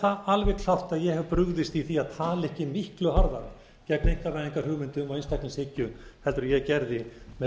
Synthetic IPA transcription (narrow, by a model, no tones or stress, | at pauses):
θaalvɛɣt̪ʰlawht̪aðjɛɣhɛvpɾʏɣðɪst̪iθiaðt̪ʰaːlɪɛhcɪmihklʏɦaɾðaɾɪ | cɛknejŋ̥kavaːðiŋkar̥ʏɣmɪnt̪ʏmɔðejnst̪aknɪnshecʏhɛlt̪ɾʏɾjɛɣcɛɾðɪmɛ